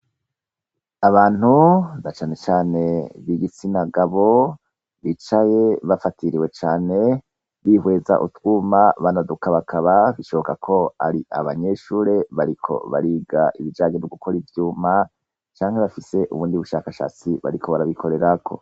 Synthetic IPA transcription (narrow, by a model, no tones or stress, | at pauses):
aβaːn̥hunat͡ʃaːne̞t͡ʃaːne̞βiɡit͡sinaɡaβo̞ | βit͡ʃaje̞βafatʰiɾiwe̞t͡ʃaːne̞ | βihwe̞ːza̰ʔutwuːmaβanadukaβakʰaβaβiʃo̞βokakʰo̞a̰ɾiʔa̰βaɲe̞ʃuːɾe̞βaɾikʰo̞̰βa̰ɾiːɡaʔiβid͡ʒaːɲenoɡukʰo̞ɾivjuːma | t͡ʃaːŋhe̞βafise̞ʔṵβuːndiβuʃaːkaʃa̰ːt͡siβa̰ɾikʰo̞βaɾaβikʰo̞ɾe̞ɾakʰo̞̰